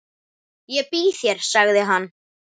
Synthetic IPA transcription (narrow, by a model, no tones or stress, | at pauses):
jɛpiːθjɛɾ̥saɣðɪɦanː